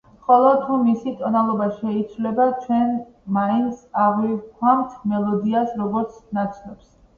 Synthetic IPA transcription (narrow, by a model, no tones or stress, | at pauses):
χʼɔlˠɔt̪ʰumisit̪ʼɔnalˠɔbaʃɛit̪sʰvlɛbat͡ʃʰwɛn | maint̪sʰaʁwivkʰwamt̪ʰmɛlˠɔd̪iasɾɔɡɔɾt̪sʰnat̪sʰnɔps